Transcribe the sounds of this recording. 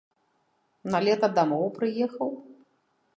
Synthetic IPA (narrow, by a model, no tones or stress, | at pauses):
nalʲɛt̪ɐd̪amɔwpɾɨjɛxɐw